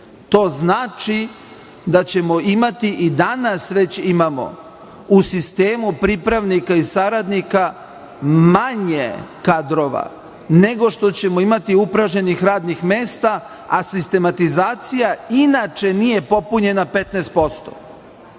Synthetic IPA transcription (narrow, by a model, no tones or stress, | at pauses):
t̪o̞ːznaːt͡ʃi | d̪at͡ɕe̞mo̞imat̪iʔid̪anasʋe̞t͡ɕimamo̞̰ | usist̪eːmupɾipɾaʋnikaisaɾad̪nika | maɲekad̪ɾo̞ʋa̰ | ne̞ɡo̞ʃt̪o̞t͡ɕe̞mo̞imat̪iupɾaʒɲe̞nixɾaːd̪nixme̞ːst̪a | asist̪e̞mat̪izaːt̪sijainat͡ʃe̞nije̞po̞puɲe̞nape̞t̪nɛːst̪̚po̞st̪o̥̰